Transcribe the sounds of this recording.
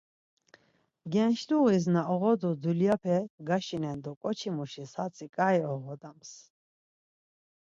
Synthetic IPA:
ɡɛnʃd̪uʁiznaɔʁɔd̪ud̪uljapʰɛɡaʃinɛnd̪ukʼɔt͡ʃʰimuʃisat̪t͡sʰʼikʼaiɔʁɔd̪ams

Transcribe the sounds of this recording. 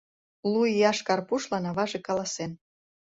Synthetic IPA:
lujjɑʃkɑrpuʃlɑnɑβɑʒekɑlɑsen

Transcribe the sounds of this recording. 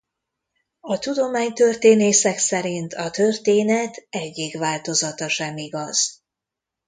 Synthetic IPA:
ɒt̪ud̪o̞maːɲt̪ø̞rt̪eːneːsɛksɛɾint̪ʰɒt̪ø̞rt̪eːnɛt̪ɛɟːikʋaːlt̪o̞zɒt̪ɒʃɛmiɡɒz̥

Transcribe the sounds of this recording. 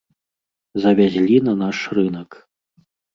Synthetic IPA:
zɐvʲazʲlʲinɐnaʂrɨnɐk

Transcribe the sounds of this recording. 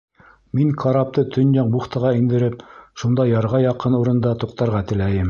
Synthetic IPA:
miŋkʰɑɾɑp̚t̪ɤt̪ʰɵnjɑɴbuχt̪ɤ̆ʁɑind̪ɘ̆ɾɘp̚ʃund̪ɑjɑɾʁɑjɑqɤnuɾɤ̆nd̪ɑt̪uqt̪ɑɾʁɑt̪ɘ̆læjɘm

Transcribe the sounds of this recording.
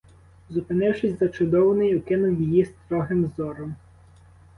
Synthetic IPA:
zʊpɪnɪwʃɪsʲzɐt͡ʃʊd̪ɔwnɪjʊkɪnʊwjijist̪ɾɔɦɪmzɔɾɔm

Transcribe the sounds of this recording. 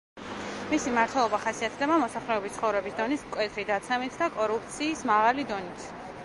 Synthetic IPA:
misimaɾt̪ʰwɛlˠɔbaχasiat̪ʰd̪ɛbamɔsaχlɛɔbist̪sʰχɔvɾɛbisd̪ɔnismkʼwɛt̪ʰɾid̪at̪sʰɛmit̪ʰd̪akʼɔɾup̚ʰt̪sʰiːsmaʁalid̪ɔnit̪ʰ

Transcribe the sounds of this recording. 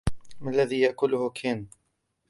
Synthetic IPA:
malːaðiːjaʔkʊlʊhʊkʰeːn

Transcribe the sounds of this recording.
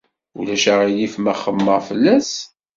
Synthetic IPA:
ṵlæʃəʁilifməχːəmːəʁfəlːæs

